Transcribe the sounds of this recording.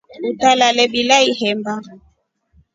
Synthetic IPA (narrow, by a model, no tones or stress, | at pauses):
utalalɛbilaihɛmba